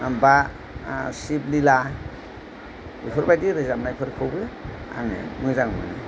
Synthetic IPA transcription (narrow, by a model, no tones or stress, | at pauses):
amba | siblila | ḭpʰɯɾbajdiɾɯzamnajpʰɯɾkʰɯwbɯa̰ŋɯ̰mɯjzaŋmɯ̰nɯ